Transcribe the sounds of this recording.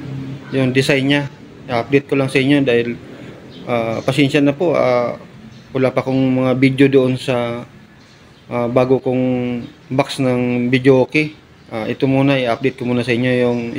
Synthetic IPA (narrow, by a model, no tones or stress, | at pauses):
jʊŋd̪ɪsajnɲa | ʔiʔap̚d̪ejt̪̚kolaŋsɐʔɪɲːo̞d̪aːhɪl | ʔaːpɐsɛnʃanɐpoʔa̰ː | wɐlapɐkoŋmɐŋabid̪jod̪oʔonsɐ | ʔabaːɡokoŋbaksnɐŋbɪd̪joːkɪ | ʔaʔɪt̪omuːnɐʔɪʔap̚d̪ejt̪̚komuːnɐsɐʔɪɲːo̞jʊŋ